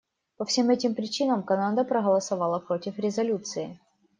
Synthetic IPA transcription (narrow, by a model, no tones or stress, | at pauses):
pɐfsʲe̞mɛtʲɪmpɾʲɪt͡ɕinəmkɐnand̪əpɾəɣəlˠɐsɐvɑlˠəpɾo̞tʲɪfɾʲɪzɐlʲut̪sɨɪ